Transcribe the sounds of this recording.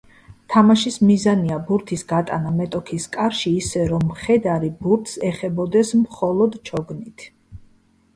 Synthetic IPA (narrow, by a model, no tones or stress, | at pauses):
t̪ʰamaʃismizaniabuɾt̪ʰisɡat̪ʼa̰namɛt̪ʼɔkʰiskʼaɾʃiːsɛɾɔmχɛd̪aɾibuɾt̪ʰsɛχɛbɔd̪ɛsmχɔlˠɔd̪t͡ʃʰɔɡnit̪ʰ